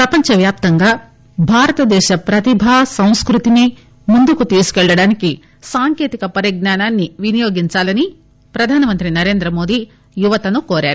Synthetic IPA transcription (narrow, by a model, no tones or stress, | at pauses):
pɾɐpɐɲt͡ʃɐʋjaːp̚t̪ɐŋɡaː | bʱaːɾɐt̪ɐd̪ɛːʃɐpɾɐt̪ibʱaːsɐ̃w̃skɾut̪ini | mund̪ukut̪iːsu̥kɛɭːɐɽaːniki | saːŋke̞ːt̪ikɐpɐɾiɡ̚naːnaːnːiʋinijoːɡiɲt͡ʃaːlɐni | pɾɐd̪ʱaːnɐmɐnt̪ɾinɐɾe̞ːnd̪ɾɐmo̞ːd̪iː | juʋɐt̪ɐnukoːɾaːɾu